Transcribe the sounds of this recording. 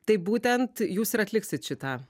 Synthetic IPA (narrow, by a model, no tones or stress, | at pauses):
t̪ɐɪbuːt̪ʲɛnt̪juːsɪɾɐt̪ʲlʲɪksʲɪt̪ʃʲɪt̪ɑː